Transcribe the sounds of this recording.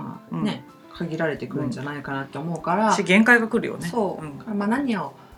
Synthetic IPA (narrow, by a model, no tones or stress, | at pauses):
ane̞ | kʰaɡʲiɾaɾe̞t̪e̞kɯ̟ɾɯ̟̃ɲd͡ʑanaikanat̪ːe̞omo̞ɯ̟kaɾaiɡẽ̞ŋkaiɡakɯ̟ɾɯ̰jo̰neso̞ːɯ̃ɴkamanaɲ̟io